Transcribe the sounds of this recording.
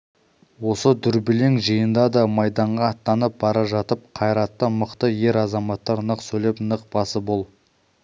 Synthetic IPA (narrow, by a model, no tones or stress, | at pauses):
wo̞səd̪ʏɾbɪleŋʒəjənd̪ɑd̪ɑmɑjd̪ɑɴʁɑːt̪ːɑnəp̚bɑɾɑʒɑt̪əp̚qʰɑjɾɑt̪ːəməqt̪əje̞ɾɑzɑmɑt̪ːɑɾnəqsɵlepnəq̚bɑsəbolˠ